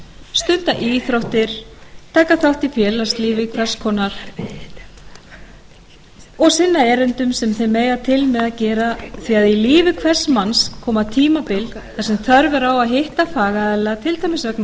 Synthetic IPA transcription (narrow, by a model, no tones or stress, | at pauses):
st̪ʏnt̪aʔiːθɾowht̪ɪɾ̥t̪ʰaːkːaθawht̪ifjɛːlast̪liːvɪkʰvɛrskʰɔːnaɾ̥ | ɔɣsɪnːaɛːɾɪnt̪ʏmsɛmθejmeːjðat̪ʰɪlmɛðacɛːɾaθiːaðiliːvɪkʰvɛ̥smanskʰɔːmat̪ʰiːmapɪl | θasɛmθœɾvɛɾawaðɦɪht̪afaːɣaɛlat̪ʰɪlt̪ʰajmɪsvœkna